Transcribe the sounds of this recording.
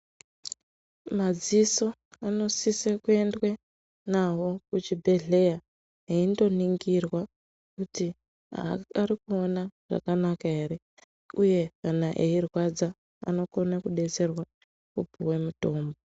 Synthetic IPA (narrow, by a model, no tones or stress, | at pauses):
mad͡ziso̞ano̞sisekue̞ndwe | naɦo̞kut͡ʃibʱe̞ɮe̞ja | ɦeindo̞niŋɡirwa | kuti | a̰arikuo̞naʐ̥a̰kanakaɦe̞ɾe̞ | uje̞kanaʔeirwad͡za | a̰no̞ko̞nakuɗe̞t͡se̞rwa | kupuwemuto̞ːmbo